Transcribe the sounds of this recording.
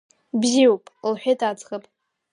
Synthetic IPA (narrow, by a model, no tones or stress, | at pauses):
bziwpʼlħʷᶣejtʰat͡sχəpʼ